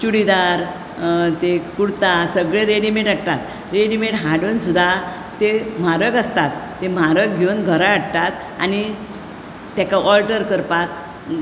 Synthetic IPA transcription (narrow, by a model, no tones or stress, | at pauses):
t͡ɕuɽid̪aɾ | t̪ekuɽt̪asəɡɭẽɾeɽimeʈaʈt̪at̪ | ɾeɽimeʈɦaɽuːnsud̪ʱa | t̪em̤aɾəkəst̪at̪ːem̤aɾək̚ɡʱewnɡʱəɾaːɽt̪at̪ | a̰ni | t̪jakaʔɔlʈəɾkəɾpat̪